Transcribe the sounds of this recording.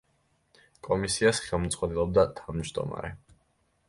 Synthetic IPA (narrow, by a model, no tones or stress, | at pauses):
kʼɔmisiasχɛlˠmt̪sʼqʼwad̪ɛlˠɔb̚d̪at̪ʰavmd͡ʒd̪ɔ̰ma̰ɾɛ